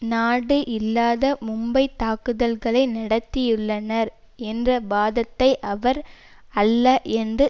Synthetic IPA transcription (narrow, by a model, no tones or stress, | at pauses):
naːɽɯʔɪlːaːðɐmʊmbɐɪt̪aːkɯðɐlɣɐɭɐɪnɐɽɐt̪ːɪjʊɭːɐnɐɾ | ɛndrɐbaːðɐt̪ːɐɪʔɐʋɐɾ | ɐlːɐʔɛndrɯ